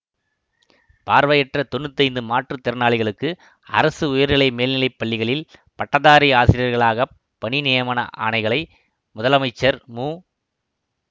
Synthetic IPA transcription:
paːɾʋɐjɛʈrɐt̪ɔɳːɯt̪ːɐɪnd̪ɯmaːʈrɯt̪ɪɾɯnaːɭɪɣɐɭɯkːɯ | ɐ̰ɾɐsɯʊjɐɾɪɭɐɪmeːlnɪlɐɪpːɐɭːɪɣɐɭɪlpɐʈːɐðaːɾiaːsɪɾɪjɐɾɣɐɭaːɣɐ | pːɐɳinɪjɐmaːnɐ̰ʔa̰ːɳɐɪɣɐɭɐɪ | mʊðɐlɐmɐɪt͡ʃːɐɾmuː

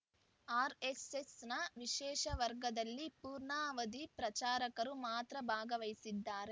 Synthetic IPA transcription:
aːɾesesnɐʋiʃɛːʃɐʋɐɾɡɐd̪ɐlːipuːɾɳaːʋɐd̪ipɾɐt͡ʃaːɾɐkɐɾumaːt̪ɾɐbʱaːɡɐʋɐjsid̪ːaːɾe

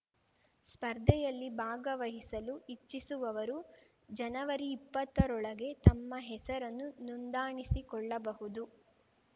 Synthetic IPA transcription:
spɐɾd̪ʱɛjɐlːibʱaːɡɐʋɐɦisɐluit͡ʃːisuʋɐʋɐɾu | d͡ʒɐnɐʋɐɾiːpːɐt̪ːɐɾɔɭɐɡe̞t̪ɐmːɐɦɛsɐɾɐnːunund̪aːɳisikɔɭːɐbɐɦud̪u

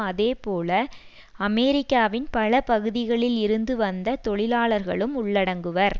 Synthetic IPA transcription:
ɐðeːpoːlɐ | ɐmɛːɾɪkːaːʋɪnpɐlɐpɐɣɯðɪɣɐɭɪlɪɾɯnd̪ɯʋɐnd̪ɐt̪ɔɭɪlaːɭɐɾɣɐ̰ɭɯmʊɭːɐɽɐŋɡɯʋɐɾ

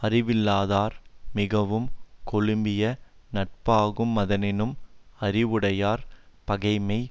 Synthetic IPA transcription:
ɐrɪʋɪlːaːðaːɾmɪɣɐʋɯmkɔɭɯmbɪjɐ | nɐʈ̚paːɣɯmːɐðɐnɪnɯmɐɾɪʋɯɽɐjaːɾpɐɣɐɪmɐɪ

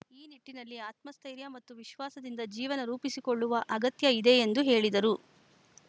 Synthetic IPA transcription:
iːniʈːinɐlːiaːt̪mɐst̪ʰɐjɾjɐmɐt̪ːuʋiʃʋaːsɐd̪ind̪ɐd͡ʒiːʋɐnɐɾuːpisikoɭːuʋɐʔɐɡɐt̪jɐid̪e̞end̪uɦe̞ːɭid̪ɐɾu

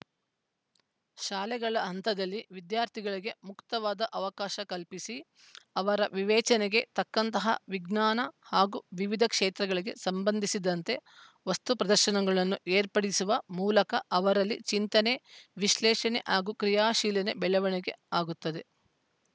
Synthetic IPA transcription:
ʃaːlɛɡɐɭɐɦɐnt̪ɐd̪ɐlːiʋid̪jaːɾt̪ʰiɡɐɭiɡemukt̪ɐʋaːd̪ɐʔɐʋɐkaːʃɐkɐlpisi | ɐʋɐɾɐʋiʋɛːt͡ʃɐneɡe̞t̪ɐkːɐnt̪ɐɦɐ̰ʋiɡnaːnɐhaːɡuʋiʋid̪ʱɐkʂeːt̪ɾɐɡɐɭiɡe̞sɐmbɐnd̪ʱisid̪ɐnt̪e̞ | ʋɐst̪upɾɐd̪ɐɾʃɐnɐɡɐɭɐnːuʔeːɾpɐɽisuʋɐmuːlɐkɐʔɐʋɐɾɐlːit͡ʃint̪ɐneʋiʃlɛːʃɐnḛʔaːɡukɾijaːʃiːlɐnebɛɭɐʋɐɳiɡe̞aːɡut̪ːɐd̪e̞

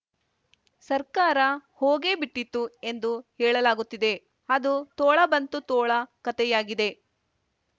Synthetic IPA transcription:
sɐɾkaːɾɐhoːɡe̞ːbiʈːit̪ːue̞nd̪uhɛːɭɐlaːɡut̪ːid̪e̞ | ɐd̪ut̪oːɭɐbɐnt̪ut̪oːɭɐkɐt̪ɛjaːɡid̪e̞

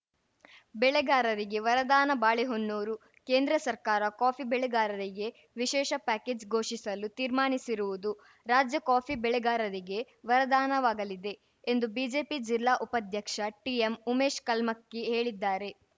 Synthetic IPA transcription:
bɛɭɛɡaːɾɐɾiɡe̞ʋɐɾɐd̪aːnɐbaːɭiɦonːuːɾu | ke̞ːnd̪ɾɐsɐɾkaːɾɐkaːpʰibɛɭɛɡaːɾɐɾiɡe̞ | ʋiʃɛːʃɐpæːkeːd͡ʒɡʱo̞ːʂisɐlut̪iːɾmaːɳisiɾuʋud̪u | ɾaːd͡ʒjɐkaːpʰibɛɭɛɡaːɾɐɾiɡe̞ | ʋɐɾɐd̪aːnɐʋaːɡɐlid̪e̞ː | nd̪ubiːd͡ʒe̞ːpid͡ʒilːaːʔupɐd̪ʱjɐkʂɐʈiemumeːʃkɐlmɐkːeɦe̞ːɭid̪ːaːɾe̞

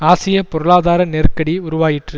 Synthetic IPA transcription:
aːsɪjɐpɔɾɯɭaːðaːɾɐnɛɾkɐɽiʊɾʊʋaːjɪʈrɯ

